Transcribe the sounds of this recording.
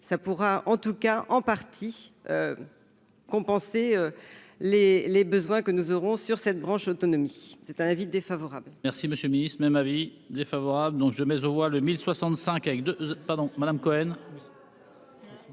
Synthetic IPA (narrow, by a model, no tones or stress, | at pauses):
sapuʁaɑ̃t̪ukaʔɑ̃paʁt̪ʰi | ø | kɔ̃pɑ̃seø | lelebəzwɛ̃kənuzɔʁɔ̃syʁsɛt̪̚bʁɑ̃ʃot̪ɔnɔmisɛt̪ɛ̃navid̪efavɔʁablmɛʁsiməsjølminist̪χmɛmavi | d̪efavɔʁabləd̪ɔ̃kʒəmɛzovwaləmilswasɑ̃t̪sɛ̃kavɛk̚d̪øpaʁd̪ɔ̃mad̪amkɔɛn